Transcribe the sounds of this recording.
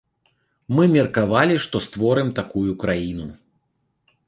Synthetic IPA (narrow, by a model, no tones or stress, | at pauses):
mɨmʲɛrkavalʲiʂt̪ɔst̪vɔɾɨmt̪akujukɾajinu